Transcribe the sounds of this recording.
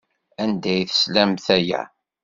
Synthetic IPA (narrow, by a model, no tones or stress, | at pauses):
ænd̪æjθə̥slæmθæjæ̰